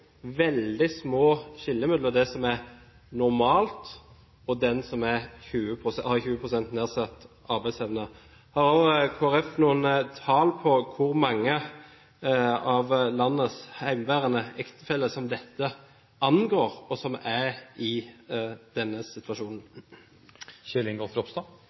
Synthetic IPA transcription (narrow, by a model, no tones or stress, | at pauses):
ʋɛld̪ɪsmoːɕɪlːəmʏd̪lɔd̪ɛsɔmæɾ | nʊɾmɑːlt̪ | ɔd̪ɛnsɔmæçʉːəpʰɾʊsɛɑçʉːəpʰɾʊsɛnt̪neːʁsɑt̪ː | ɑɾbæɪsɛʋnə | hɑɾokʰoːæɾɛfnuːənt̪ʰɑːlpʰɔkʰʊɾmɑŋːə | ɑʋlɑnːəshæɪmʋæːɾənəɛkt̪ə̥fɛlːəsɔmd̪ɛt̪ʰːə | ɑnɡoːɾɔsɔmæɾɪ | d̪̥ɛnːəsɪt̪ʋɑʂuːnn̩ | ɕʏlɪŋɡofɾɔpst̪ɑ